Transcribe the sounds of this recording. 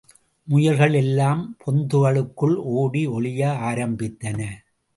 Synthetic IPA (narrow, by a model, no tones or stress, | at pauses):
mʊjɐlɣɐɭɛlːaːmpʰɔnd̪ɯʋɐɭɯkːɯɭoːɽiɔɭɪjɐaːɾɐmbɪt̪ːɐnɐ